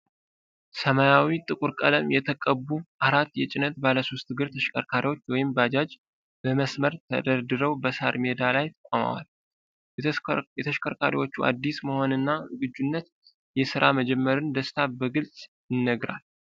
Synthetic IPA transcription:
səmajawit̪ʼɨkʼuɾkʼələmjɛt̪ʰəkʼəbːuʔaɾat̪ːjɛt͡ʃʼɪnət̪̚baləso̞st̪ɨɡɨɾt̪ʰəʃkʰə̰ɾkʰaɾiwo̞t͡ʃːwɔjɪmbəad͡ʒad͡ʒ | bəməsməɾt̪ʰə̰d̪əɾd̪ɨɾəwbəsaɾme̞d̪alajt̪ʰə̥kʷʼoma̰wa̰l | jɛt̪ʰəʃkʰəɾkʰaɾiwo̞t͡ʃːuʔa̰d̪ːisməho̞nɨnːaɨɡɨd͡ʒːunːət̪ | jɛsɨɾaməd͡ʒɛmːəɾɨnd̪əst̪ʰabəɡɨlsʼ | jɪnːəɡɾa̰l

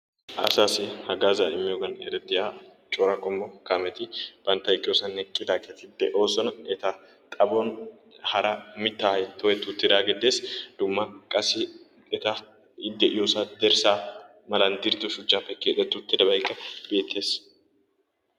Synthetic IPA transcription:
ʔɐ̰saːsɪhɐɡaːzaɪmːɪjoɡɐnɛ̰ɾɛt̪ːɪjaː | t͡ʃʼoːɾɐkʼɔmbɔkamɛt̪ɪb̥ɐnt̪ːɐɪkʼɪosɐnːɛkʼːɪd̪akʼɛt̪ɪd̪ɛʔoːsɔnɐɛt̪ɐ | t̪ʼɐbɔn | hɐɾɐmɪt̪ːaːhɐjt̪ʰɔwɛt̪ːʊt̪ːɪd̪aːɡɛd̪eːsd̪̥ʊmːɐkʼɐsɪ | ɛt̪ɐ | ɪd̪ːɛʔɪjosad̪ɛɾsaː | mɐland̪ɪɾt̪ːʊʃʊt͡ʃːaːfːɛkeːt̪ɛt̪ːʊt̪ːɪd̪ɐbɐjkʼːɐb̥eːt̪ʰːe̞ːs

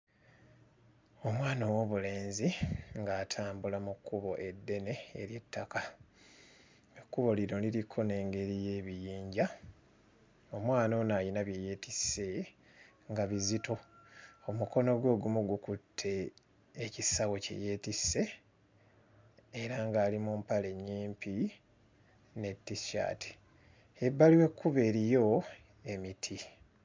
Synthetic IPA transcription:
o̞mwaːnowo̞βule̞ːnziŋɡaːtʰaːmbulamukːuβo̞ʔe̞dːe̞ne̞̰ːɾje̞tʰːaka | ekːuβo̞liɾo̞liɾikʰo̞ne̞ːŋɡe̞ɾije̞ːβijiːɲɟa | o̞mwaːnonajinaβjeje̞ːtisːe̞ | ŋɡaβizitʰo̞omuko̞no̞ɡwo̞ːɡumuɡukutʰːe̞ː | cisawo̞cḛje̞ːtise̞ | ɾaŋɡaːlimumpale̞ɲːiːmpi | ne̞tːisa̰ːtʰi̥ | ebːaliwe̞kːuβe̞ːɾijo̞ | e̞mitʰi

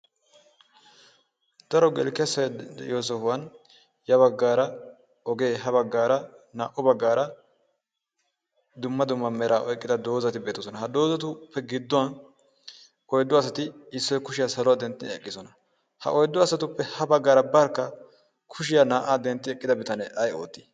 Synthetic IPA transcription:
d̪̥ɐɾɔɡɛ̰lkɛsɐjjoːs̬ɛfʊwɐn | jɐβɐɡːaːɾɐ | ɔɡe̞ːɦɐβɐɡːaːɾɐnaːʔʊbɐɡːaːɾɐ | d̪ʊmːɐd̪ʊmːɐmɛɾʔaːʔɔjkʼːɪd̪ɐd̪o̞ːzɐt̪ɪbe̞ːt̪ɔsɔnɐɦɐd̪o̞ːzɐt̪ʊpʰːɛɡɪd̪ːʊwɐn | ɔjd̪ːʊɐsɐt̪ɪɪsːɔjkʊʃɪjaːsɐlɔwad̪ɛnt̪ːɪnɛ̰kʼːɪsɔnɐ | hɐ̰ʔɔjd̪ːʊɐsɐt̪ʊpːɛhɐbɐɡːaːɾɐbɐɾkːɐ | kʰʊʃɪjaːnaːʔaːd̪ɛnt̪ːɪɛkʼːɪd̪ɐbɪt̪ɐnɛɐjo̰ːt̪ːi̥

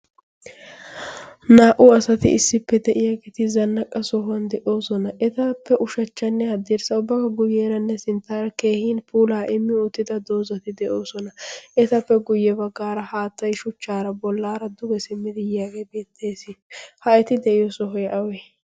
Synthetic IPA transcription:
naːʔʊɐsɐt̪ɪ̰ɪsːɪpːɛd̪ɛʔɪjaɡet̪ɪzɐnːɐkʼɐsɔɦʊɐnd̪ɛʔo̞ːsɔnɐʔɛt̪ɐpːɛʔʊʃɐt͡ʃːɐnːɛhɐd̪ːɛɾsɐʊbːɐkɐɡʊjeːɾɐnːɛsɪnt̪ːaːɾɐke̞ːhiːnpuːlaːʔɪmːɪʊt̪ːɪd̪ɐd̪o̞ːzɐt̪ɪd̪ɛʔo̞ːsɔnɐʔɛt̪ɐpːɛɡʊjːɛbɐɡːaːɾɐhaːt̪ːɐjʃʊt͡ʃːaːɾɐbɔlːaːɾɐd̪ʊɡɛsɪmːɪd̪ɪjaːɡebe̞ːt̪ʰːeːsɪhɐɛt̪ɪd̪ɛʔɪjɔsɔɦɔjʔɐwɛ

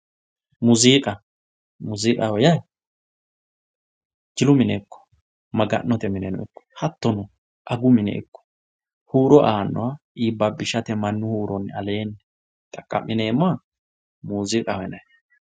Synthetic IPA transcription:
muziːkʼɐ | mʊzikʼɐhɔjɐj | d͡ʒɪlʊmɪnɛkːɔ̥ | mɐɡɐ̰nːɔt̪ɛmɪnɛnɔ̰ɪ̰kːɔ̥hɐt̪ːɔnɔ | ʔɐɡʊmɪnɛ̰ʔɪ̰kːɔ̥ | huːɾɔʔaːnːɔwaʔiːbːɐbɪʃɐt̪ɛmɐnːʊhuːɾɔnːɐle̞ːnːɛ | t̪ʼɐkʼːɐ̰mːɪneːma | muːzikʼɐhɔɛnɐj

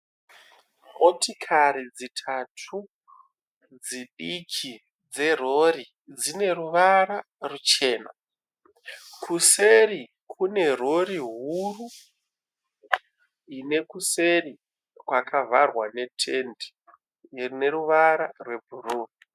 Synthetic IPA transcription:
motikʰaɾid͡zitʰatʰu | d͡ziɗikʰi | d͡ze̞ro̞ri | d͡zine̞ɾuʋaɾa | rut͡ʃe̞ːna̰ | kʰuse̞ri | kʰune̞ro̞ɾiɦuru | ine̞kuseri | kwakʰavarwane̞tʰe̞ndi̥ | ne̞ruʋaɾarwe̞bʱuruːni

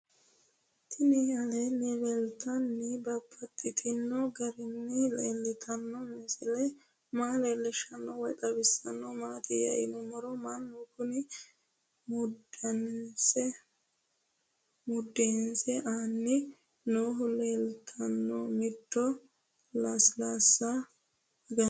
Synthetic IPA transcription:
t̪ʰɪnɪɐlɛnɛlɛlt̪ɐnːɪbɐpʰːɐt̪ʰːɪt̪ʰɪnːɔɡɐɾɪnːɪleːlːɛt̪ʰɐnːɔmɛsɛlɛ | maːleːlːɛʃɐnːɔwɔjt̪ʼɐbɪsːɐnːɔmaːt̪ɪjɐ̰jɪnɔmɔɾɔmanːɔkʊnɪ | mʊdɐnɪnsɛ | mʊd̪ːɛnsɛʔaːnːɪ | noːɦʊleːlt̪ʰɐnːɔmɪt̪ːɔ | laslasːɐ | ɡɐ

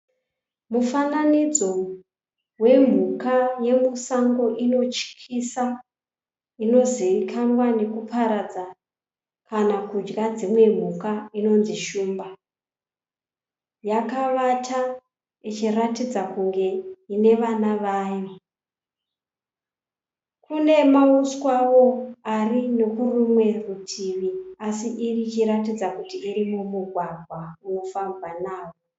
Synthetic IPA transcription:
mufananid͡zo̞ | we̞m̤ukaje̞musaŋɡo̞ʔino̞t͡ʃi̥kʰisa | ino̞ziikʰanwane̞kupʰaɾad͡za | kʰanakud͡ʒɡad͡zimwe̞m̤ukaino̞nziʃuːmba | jakaʋatʰa | it͡ʃiratid͡zakuŋɡe̞ine̞ʋanaʋaːjo | kune̞mauswaʋo̞arine̞kurumwe̞rutʰiʋiasiʔirit͡ʃiɾatid͡zakutiːrimumuɡʱwaɡʱwawofambanaːwo

